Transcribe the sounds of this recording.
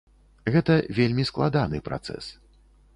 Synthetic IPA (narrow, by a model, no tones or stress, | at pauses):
ɣɛt̪ɐvʲelʲmʲisklˠad̪anɨpɾa̰t̪sɛ̰s